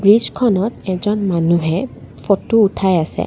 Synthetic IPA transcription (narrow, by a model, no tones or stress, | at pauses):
bɹizkʰɔnɔtɛzɔnmanuɦɛ | pʰotuːtʰajasɛ̰